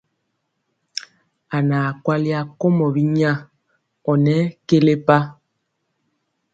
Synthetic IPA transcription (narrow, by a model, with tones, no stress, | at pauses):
a˨naː˨kwa˦li˦a˦ko˦mɔ˨bi˦ɲa˦˨ | ɔ˨nɛ˦ke˦le˦pa˦